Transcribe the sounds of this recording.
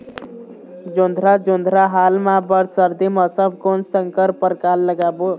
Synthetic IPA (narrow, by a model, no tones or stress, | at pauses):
d͡ʒond̪ʱɾad͡ʒond̪ʱɾaɦalmãbəɾsəɾd̪imʌsəb̚konsəŋkəɾpəɾkalːəɡabo